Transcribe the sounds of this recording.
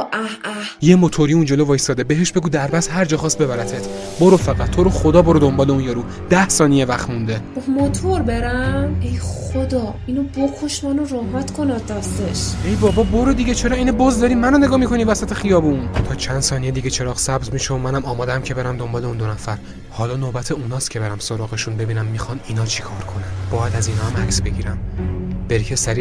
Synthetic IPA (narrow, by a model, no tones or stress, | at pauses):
ʔæhæ | je̞mot̪ʰoɾiund͡ʒe̞lovɒːjsɒːd̪ebeɦeʃbeɡuːd̪æɾbæsɦæɾd͡ʒɒːχɒːst̪be̞βæɾæt̪ʰet̪ʰ | boɾofæɣæt̪ʰːoɾoxod̪ɒːboɾod̪o̞mbɒːleunjɒːɾuː | d̪æhsɒːnijevæχt̪mund̪ebmot̪ʰoɾbe̞ɾæmejχod̪ɒːinobokʰoʃmænoɾohmæt̪kʰonɒd̪æst̪eʃejbɒːbɒːbo̞ɾed̪iɟet͡ʃʰeɾɒːiːnebɒzd̪ɒːɾiːmænone̞ɡɒːmikʰo̞nivæsæt̪ʰexijɒːbunt̪ʰɒːt͡ʃʰænd̪sɒːnijed̪iɡet͡ʃʰe̞ɾɒːχsæbzmiːʃomænæmɒːmɒːd̪æmcʰe̞be̞ɾæmd̪o̞mbɒːle̞ũnd̪onæfæɾ | hɒːlɒːnobæt̪ʰeunɒːst̪cʰe̞be̞ɾæmso̞ɾɒːɣe̞ʃunbe̞biːnæmːixɒniːnɒːt͡ʃʰi̥kʰɒːɾkʰo̞nænd̪bɒːjæd̪æziːnɒːæmæcsbe̞ɟiːɾæmb̥eɾcʰesæɾi